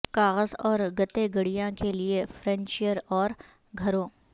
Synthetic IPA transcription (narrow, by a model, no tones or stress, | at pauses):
kaːɣəzɔːɾɡɐt̪eɡɐɽijãkeliefɾɛ̃nt͡ʃɪjəɾɔːɾ | ɡʱɐɾõː